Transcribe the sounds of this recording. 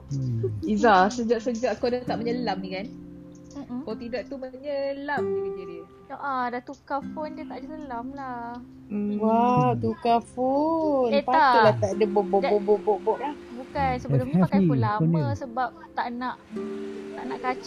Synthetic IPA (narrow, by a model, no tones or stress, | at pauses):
izasəd͡ʒaʔsəd͡ʒaʔkodət̪aʔməɲəlamikan | m̩kt̪idaʔt̪ːuməɲəlamdinidədiə | ʔadat̪ukafondiət̪aʔdəsəlamla | wat̪ukafonpaakəlat̪aʔdəbɔʔbɔʔbɔbɔbɔʔbɔʔlahbukansəələmɲknkulamə̃səbap̚t̪aʔnãʔt̪aʔnaʔkat͡ʃ